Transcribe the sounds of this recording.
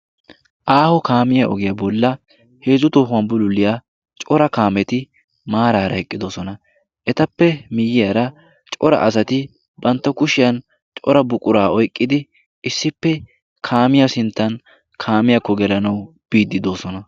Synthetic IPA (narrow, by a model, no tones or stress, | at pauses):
ʔaːhɔkaːmɪjɐʔɔ̰ɡɪjɐbɔlːɐ | he̞ːzʊt̪oːɦʊwɐnbʊlʊlːɪjaː | t͡ʃʼɔɾɐkaːmɛt̪ɪ | maːɾaːɾɐhɛkʼːɪd̪o̞ːsɔnɐ | ʔɛt̪ɐpːɛmɪjːɪjɐɾɐ | t͡ʃʼɔɾɐ̰ʔɐsɐt̪ɪ | bɐnt̪ːɐkʊʃɪjɐn | t͡ʃʼɔɾɐbʊkʼʊɾaːɔjkʼːɪd̪ɪ | ɪsːɪpːɛ | kʰaːmɪjɐsɪnt̪ːɐn | kʰaːmɪjɐkːɔɡɛlɐnɐw | b̥iːd̪ːɪd̪o̞ːsɔnɐ